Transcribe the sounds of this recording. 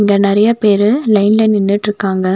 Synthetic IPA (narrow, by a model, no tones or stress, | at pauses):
ŋɡɐnɪɾɐjɐpeːɾɯlɐɪnlɐnɪnːɯʈːɪɾɯkːaːŋɡɐ